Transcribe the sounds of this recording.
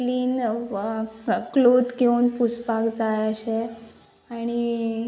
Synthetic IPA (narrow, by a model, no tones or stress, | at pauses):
liːn | klod̪keunpuspakd͡zajəɕe | aɽ̃i